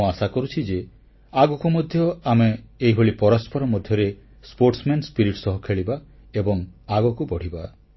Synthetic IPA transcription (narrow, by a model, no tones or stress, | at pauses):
asakɔɾut͡ʃʰid͡ʒe | aɡɔkumɔd̪ʱjɔameːiɦoɭipɔɾɔspɔɾɔmɔd̪ʱjɔɾe | spoɾʈsmenspiɾiʈsɔɦɔkʰeɭiba | ebɔŋaɡɔkubɔɽ̤iba